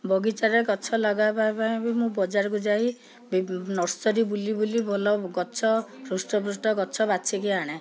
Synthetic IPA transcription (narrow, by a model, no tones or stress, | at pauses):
bɔɡit͡ʃaɾekɔt͡ʃʰɔlɔɡapaepaj̃bimũbɔd͡ʒaɾɔk̬ud͡ʒaɦi | binɔɾsɔɾibulibolibʱɔlɔɡɔt͡ʃʰɔɾusʈɔpɾusʈɔkɔt͡ʃʰɔbat͡ʃʰikiaɽ̃ẽ